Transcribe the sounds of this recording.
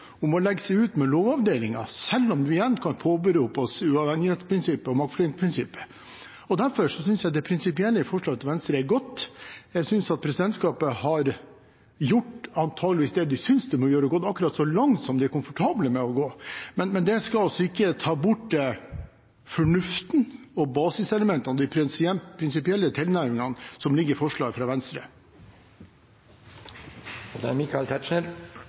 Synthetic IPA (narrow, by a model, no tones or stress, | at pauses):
ɔmɔlɛɡːəsɛɪʉːt̪mɛloːʋɑʋd̪eːlɪŋɑ̰sɛlːɔmd̪ʉɪjɛnkʰɑnpʰoːbəɾuːpːəɔsʉɑʋhɛŋːɪheːt̪spʰɾɪnsɪpːəɔmɑkt̪flœɪŋspʰɾɪnsɪpːə | ɔd̪æɾfɔʂɔsʏnsjæɪd̪ɛpʰɾɪnsɪpɪɛlːəɪfɔʂɭɑːɡt̪ʰɛʋɛnst̪əɾɛɾɡɔt̪ːjæɪsʏnsɑt̪̚pʰɾɛsɪd̪ɛnt̪skɑːpəhɑɾ | jʊʈːɑnt̪ʰɑːɡlɪʋiːsd̪ɛd̪ʉsʏnsd̪ɛmɔjøːɾəɡɔt̪ːɑkːʉɾɑt̪sɔlɑŋt̪sɔmd̪ɛæɾkʊmfɔʈʰɑːbləmɛɔɡoːmɛnmɛnd̪ɛskɑlɑlsɔɪkːət̪ʰɑːbʊʈːd̪ɛ | fɔɳʉft̪nɔbɑːsɪsɛləmɛnt̪ənd̪ɪpʰɾɪsɛpʰɾɪnsɪpɪɛlːət̪ʰɪlnæɾmɪŋɑnsɔmlɪɡːəɾfɔʂɭɑ̰ːɡfɾɑːʋɛnst̪ɾə̰ | ɔd̪ɛmɪkɑɪlt̪ʰæʃəɾ